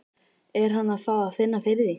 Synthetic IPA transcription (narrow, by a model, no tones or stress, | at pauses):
ɛɾ̥ɦanːaðfaːðaðfɪnːafɪɾðɪ